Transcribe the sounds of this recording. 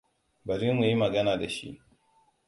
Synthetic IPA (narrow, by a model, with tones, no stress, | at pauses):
bɐ˨ɾɪ˦mmu˨ji˦mɐ˨ɡɐ˦naː˨da˨ʃḭ˦ʔ